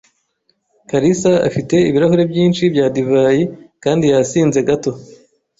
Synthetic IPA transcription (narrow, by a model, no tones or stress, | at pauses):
kaɾisaa̰fite̞iβiɾahuɾe̞bjiːnʃibjaːdivaːjikaːndijasiːnze̞ɡato̞